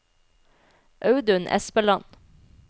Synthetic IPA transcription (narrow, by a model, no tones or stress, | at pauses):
ʔœʉd̪ʉnʔɛ̰sbəlɑn